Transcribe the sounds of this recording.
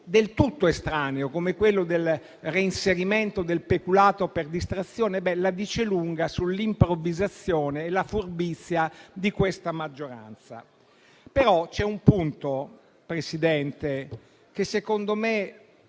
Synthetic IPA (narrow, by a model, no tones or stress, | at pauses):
d̪elt̪ut̪ːoest̪ɾaːneokomekwelːod̪el | reinseɾiment̪od̪elpekulaːt̪operd̪ist̪ɾat̪sːjɔːnebɛlad̪iːt͡ʃeluŋɡasulːimpɾovizat̪sːjoːneːlafurbit̪sːjad̪ikwest̪amad͡ʒːoɾa̰nt̪sa̰ | peɾɔt͡ʃɛumpunt̪o | pɾesid̪ɛnt̪e | kesːekond̪ome